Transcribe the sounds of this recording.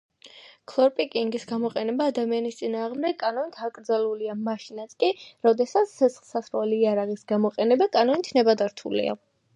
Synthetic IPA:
kʰlˠɔɾpʼikʼiŋɡisɡamɔqʼɛnɛbaːd̪amianist̪sʼinaːʁmd̪ɛɡkʼanɔnit̪ʰakʼɾd̪zaluliamaʃinat̪skʼiɾɔd̪ɛsat̪sʰɛsχlˠsasɾɛliːaɾaʁisɡamɔqʼɛnɛbakʼanɔnit̪ʰnɛbad̪aɾt̪ʰṵlḭa̰

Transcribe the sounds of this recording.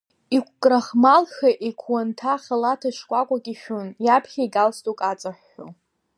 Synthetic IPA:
ikʷʰkʼraχmalxaʔikʷʰwantʰaχʲalatʰaʃkʷʼakʷʼakʼiʃᶣʊnjapʰχʲaiɡalstʼukʼat͡sʼaħːo̰

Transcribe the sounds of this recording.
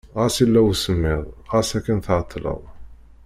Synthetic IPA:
ʁæsilːæwsəmːɪðˤʁæsækːænθʕt̪ʰˤːlə̰ðˤ

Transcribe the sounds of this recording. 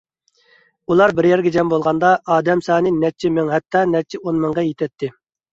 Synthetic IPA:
ulˠɑɾbɪɾjɛɾɡʲɛd͡ʒɛmbolˠʁɑnd̪ɑʔɑːd̪ɛmsɑːnɨnɛt͡ʃʰːimɪŋɦɛt̪ʰːɑːnɛt͡ʃʰːɪʔonmɨŋʁɑjet̪ʰɛt̪ʰːɪ

